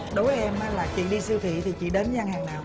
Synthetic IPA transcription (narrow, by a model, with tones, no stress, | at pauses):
ɗo˨˦jvə˨˦ʔɛ˧maː˨˦laː˨˩t͡ɕḭ˧˨ɗi˧si˧wt̪ʰḭ˧˨t̪ʰi˨˩t͡ɕḭ˧˨ɗe˨˦nza˧ŋhaː˨˩ŋnaː˨˩w